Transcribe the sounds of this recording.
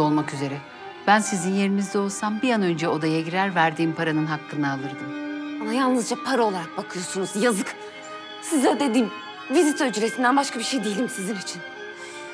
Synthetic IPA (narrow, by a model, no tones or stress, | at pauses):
o̞lˠmakyze̞ɾɛ | b̥ænsizinje̞ɾimizd̪ɛo̞lˠsambijanø̞nd͡ʒɛo̞d̪ajaɟiɾæɾvæɾd̪iːmpʰaɾanɯnɦakʰːɯnaːlˠɯɾd̪ɯmanajalˠnɯzd͡ʒapʰaɾaolˠaɾak̚bakʰɯjo̞sunuzjazɯk | sizɛd̪e̞d̪iːm | vizit̪ʰaød͡ʒyɾesind̪ænbaʃkʰabiʃe̞jd̪ijelʲimsizinit͡ʃʰin